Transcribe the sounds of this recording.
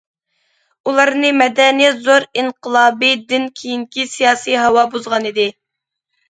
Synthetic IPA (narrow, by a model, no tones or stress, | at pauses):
ulˠɑɾnɨmɛd̪ɛnijɛt̪zoɾiɴqəlˠɑːbid̪ɪnkʲʰijiŋkʲisijɑːsijɦɑwɑbuzʁɑnid̪ɪ